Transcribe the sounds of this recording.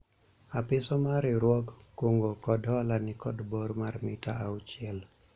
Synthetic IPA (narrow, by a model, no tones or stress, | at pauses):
apɪsɔmaɾɪɾwɔkːoŋɡokɔdhɔlanɪkɔdboɾmarmɪtaaʊt͡ʃɪɛl